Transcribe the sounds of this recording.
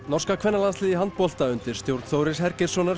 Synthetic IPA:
nɔrskakʰvɛnːalanst̪lɪðɪɦant̪̚pɔl̥t̪aʏnt̪ɪ̥st̪jowɾt̪θowɾɪshɛɾcɪ̥svɔnaɾ

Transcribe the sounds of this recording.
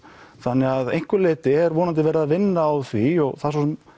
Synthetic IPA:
θanːɛɣaðḛjŋ̥kvʏɾlɪːt̪ɪɛɾvɔːnant̪̬ɪvɛːɾɪðaðvɪnːaːwðθviɔɣθas̬ɔsɛm

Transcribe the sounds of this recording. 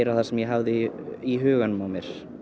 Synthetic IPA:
ɾaθasɛmjɛɦavðɪiɦʏːɣanmawmɪɾ̥

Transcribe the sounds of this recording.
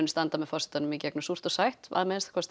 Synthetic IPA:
nʏst̪ant̪amɛðfɔrsɪ̥t̪anʏmicɛknʏsur̥t̪ɔsajht̪a̰ðmɛðɪst̪ḁkʰɔst̪

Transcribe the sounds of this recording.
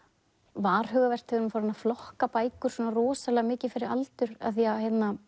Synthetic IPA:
vaːɾ̥ɦœɣavɛr̥t̪ʰɛðʏmfaːɾɪnaflɔhkapaːjkʏɾ̥sɔːnaɾɔːsalɛɣamɪːcɪfɪɾɪɾa̰lt̪ʏɾ̥a̰θiaðhɛt̪na

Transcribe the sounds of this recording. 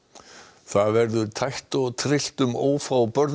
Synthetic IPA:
θaðvɛɾðʏɾt̪ʰajht̪ɔɣt̪ʰɾɪl̥t̪ʏmoːwfawpœɾt̪

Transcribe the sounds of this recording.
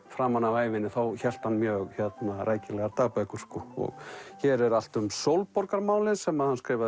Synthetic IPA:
fɾaːmːanavaːjvɪnːɪθawçɛl̥t̪hanmjœːɣçɛt̪naɾaːjcɪlɛɣaɾt̪aːɣpɛkʏ̥skuɔ̰ɣçɛɾɛɾal̥t̪ʏmsowlpɔɾkaɾmaːwlɪsɛmaðhanːskɾɪːva

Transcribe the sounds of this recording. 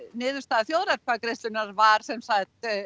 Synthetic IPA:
nɪːðʏ̥st̪aːðaθjoːwɾaɾ̥kʰvakɾɪst̪ʏnaɾvaɾ̥sɛmsajɣt̪

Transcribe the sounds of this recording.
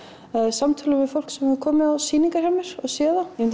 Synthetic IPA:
samt̪ʰœːlʏmvɪðfowl̥ksɛmhɛðkʰɔːmɪasiːniŋkaɾ̥hɛmɪɾ̥ɔɣsjɛːðajn

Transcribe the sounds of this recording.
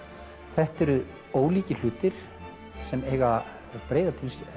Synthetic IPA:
θɛht̪ɛɾʏ | oːwliːcɪl̥ʏːt̪ɪɾ̥ | sɛmeːjɣa | pɾeːjðat̪ʰɪls

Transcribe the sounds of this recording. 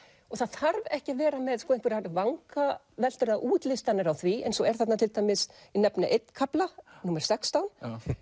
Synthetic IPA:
ɔɣθaðθaɾvɛhcɪvɛːɾamɛðskɔːẽnŋkvɪɾaɾvaŋka | vɛl̥t̪ʏɾaðʔuːt̪lɪst̪anːɪɾawθviɛ̰nsɔɛɾ̥θɛt̪nt̪ʰɪlt̪aːjmɪsinɛpnɪʔejt̪n̥kʰaplanumɛɾ̥sɛkst̪awn

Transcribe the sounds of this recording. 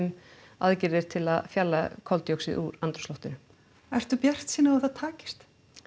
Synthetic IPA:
n | a̰ðcɪɾðɪɾ̥t̪ʰɪlaðfjalːakʰɔlt̪jowksɪðṵɾant̪ɾʏslowht̪ɪnʏ | ɛr̥t̪ʏpjɛr̥t̪siːnaaθaðt̪ʰaːcɪ̥st̪

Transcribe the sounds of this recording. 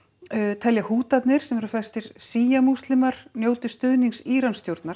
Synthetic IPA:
t̪ʰɛljahuːt̪at̪nɪɾ̥sɛmɛɾafɛ̥st̪ɪɾ̥siːjamust̪lɪmaɾ̥njoːwt̪ɪst̪ʏðniŋsiːɾanst̪jowɾt̪naɾ̥

